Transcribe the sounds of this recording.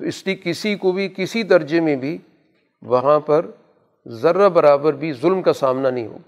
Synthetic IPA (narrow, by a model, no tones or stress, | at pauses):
t̪oɪslikɪsikobʱikɪsid̪ɐɾd͡ʒemẽbʱi | ʋɐɦãpɐɾ | zɐɾːabɐɾaːbəɾbʱizʊlmkasaːmnanɐɦĩɦo̰ːɡa